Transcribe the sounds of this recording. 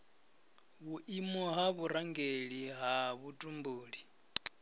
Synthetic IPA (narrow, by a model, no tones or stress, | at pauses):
βuʔimɔɦaβuɾaŋɡeɺiɦaβutʼumbuːɺi